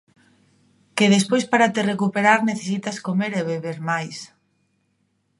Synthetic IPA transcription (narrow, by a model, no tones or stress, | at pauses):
keðespojspaɾat̪erekupeɾaɾneθes̬it̪askomeɾeβeβeɾmajs